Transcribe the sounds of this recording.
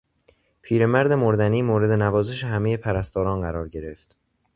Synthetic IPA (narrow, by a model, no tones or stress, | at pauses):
pʰiːɾe̞mæɾd̪e̞moɾd̪æniːmoːɾe̞d̪e̞nævɒːze̞ʃehæmeje̞pʰæɾæst̪ɒːɾɒːnɢæɾɒːɾɟe̞ɾe̞ft̪